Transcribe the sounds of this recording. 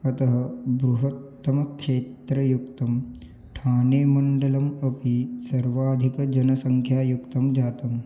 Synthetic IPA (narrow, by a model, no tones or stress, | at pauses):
kɐt̪ɐɦɐ̆bɾuɦɐt̪ːɐmɐkʂeːt̪ɾɐjukt̪ɐm | ʈʰaːneːmɐɳɖɐlɐmɐpisɐɾʋaːd̪ʱikɐd͡ʒɐnɐsɐŋkʰjaːjukt̪ɐmd͡ʒaːt̪ɐm